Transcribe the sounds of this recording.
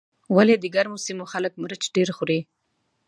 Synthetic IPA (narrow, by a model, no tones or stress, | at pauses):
waled̪əɡaɾmosimoxaləkmɾət͡ʃɖeɾxʊɾe